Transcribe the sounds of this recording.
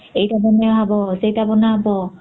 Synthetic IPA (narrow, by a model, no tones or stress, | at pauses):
ejtabɔnɛaɦabɔsejtabɔnaɦabɔ